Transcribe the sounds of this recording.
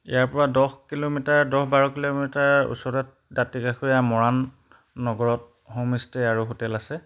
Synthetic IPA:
ḭjaɹpɔɹadɔxkilomitaɹdɔxbaɹɔkilomitaɹṵsɔɹɔt̚datikaxujamɔɹanː | ɔɡɔɹɔt̚ | homistɛaɹuɦotɛlasɛ

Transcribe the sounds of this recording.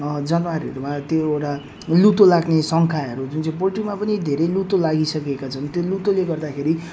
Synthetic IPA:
d͡zʌnmaɾiɦʌ̰ɾumat̪joewʈa | lut̪olaɡnesʌŋkʰaʌɾud͡zunt͡sẽĩpolʈimapʌnid̪ʱeɾʌjlut̪olaɡisʌkekat͡sʰʌnt̪jolut̪oleɡʌrd̪akʰeɾi

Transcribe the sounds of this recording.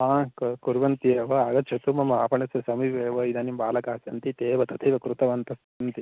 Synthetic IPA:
ɦãːkkuɾʋɐnt̪ieʋɐaːɡɐtːt͡ʃʰɐt̪umɐmɐaːpɐɳɐsɐsɐmiʋeːʋɐid̪aːnimbaːlɐkaːsɐnt̪it̪eːʋɐt̪ɐt̪ʰeʋɐkɾut̪ɐʋɐnt̪ɐsɐnt̪i

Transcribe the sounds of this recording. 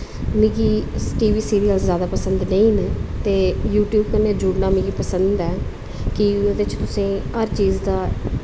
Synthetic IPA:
mĩːɡiːʈiːʋiːsiːɾiːəlzzjaːd̪aːpəsənd̪nəĩːnt̪eːjuːʈjuːbkəneːd͡ʒʊɽnaːmĩːɡiːpəsənd̪ɛː | kɪd̪ɪt͡ʃt̪ʊsẽːɦəɾt͡ʃiːzd̪aː

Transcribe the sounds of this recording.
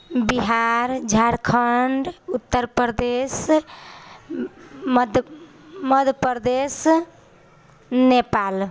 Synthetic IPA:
biɦaɾd͡ʒʱaɾkʰəɳɖut̪ːəɾpəɾd̪es | d̪ | məd̪ʱpəɾd̪es | nepal

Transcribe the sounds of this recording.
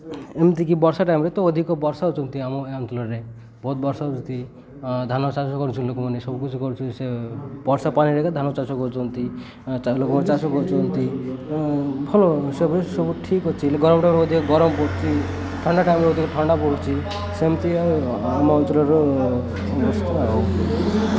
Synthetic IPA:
emt̪ikibɔɾsaʈajmɾet̪ɔːd̪ʱikɔbɔɾsaɦut͡ʃʰɔnt̪iamɔɔnt͡ʃɔlɔɾe | bɔut̪̚bɔɾsaɦut͡ʃɔnt̪i | d̪ʱanɔt͡ʃasɔkɔɾut͡ʃʰilokɔmɔnesɔbukit͡ʃʰukɔɾut͡ʃʰisebɔɾsapaniɾekad̪ʱanɔt͡ʃat͡ʃɔkɔɾut͡ʃʰɔnt̪i | lokɔmɔnet͡ʃasɔkɔɾut͡ʃʰɔnt̪i | bʱɔlosebʱsɔbuʈʰikɦot͡ʃʰilɡɔɾɔmɔʈajmɾeod̪ʱikɔɡɔɾɔmɔpɔɽt͡ʃʰi | ʈʰɔɳɖaʈajmɾeod̪ʱikɔʈʰɔɳɖapɔɽut͡ʃʰi | semt̪iamɔɔnt͡ʃɔlɔɾɔ | bɔst̪uao

